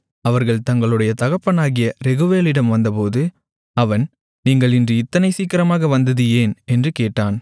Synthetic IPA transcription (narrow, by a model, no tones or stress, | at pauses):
ɐʋɐɾɣɐɭt̪ɐŋɡɐɭɯɽɐjɐt̪ɐɣɐpːɐnaːɣɪjɐɾɛɣɯʋeːlɪɽɐmʋɐnd̪ɐpoːðɯ | ɐʋɐn | niːŋɡɐɭɪndrɯɪt̪ːɐnɐɪsiːkɪɾɐmaːɣɐʋɐnd̪ɐðɯjeːnɛndrɯkeːʈːaːn